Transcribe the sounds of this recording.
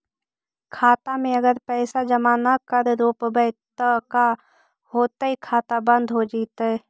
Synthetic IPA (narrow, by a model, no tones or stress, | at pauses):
kʰaːt̪amẽəɡəɾpɛːsad͡ʒəmaːnakəɾɾoːpbəɪt̪əka | ɦoːt̪aɦikʰaːt̪abə̃nd̪ʱɦod͡ʒiːt̪ɦɛ